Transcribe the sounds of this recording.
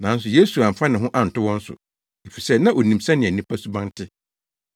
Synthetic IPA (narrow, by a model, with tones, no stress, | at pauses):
nã˨˦n̩˦sʊ˨je˦su˨ã˨m̩˨fã˦nɪ̃˨ɦʊ̃˦ʔa˦n̩˨tʊ˦wɔ̃˦n̩˦sʊ̰˨ | e˨fi˨sɛ˦nã˦ʔo˨nĩ˨msã˦nɪ̃˨æ˨nĩ˦pʰa˦su˦bã˦n˦tʰɪ˦